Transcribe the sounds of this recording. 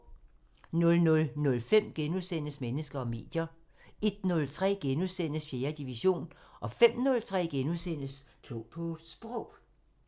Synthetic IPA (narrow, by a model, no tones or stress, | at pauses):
nɔ̽lnɔ̽lnɔ̽lfem̰ɡ̥enusen̰əsmenəsɡ̥ɐɒ̽me̝̰ːd̥jɐ | e̝d̥nɔ̽lt͡sʰʁɛ̰ːɡ̥enuðˠsen̰əsfje̝ːɐd̥iʋiɕo̝̰ːnʔɒ̽fem̰nɔ̽lt͡sʰʁɛ̰ːɡ̥enuðˠsen̰əskʰlɔːpʰɔsb̥ʁɔʊ̰